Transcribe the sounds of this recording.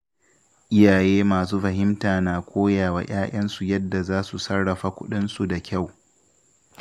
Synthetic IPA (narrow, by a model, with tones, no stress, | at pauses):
ʔɪ˦jaː˨jeː˦maː˨s̬uː˦ɸɐ˨ɦɪ˦mtaː˨naː˨kʷoː˦jaː˨wa̰ː˨j̰ʔaː˦j̰ɐ˦nsu˨jɐ˦dːa˨zaː˦su˨sɐ˦ɽːɐ˨ɸa˨kʷʊ̰˦ɗɪ˦nsu˨da˨kʲa˦˨w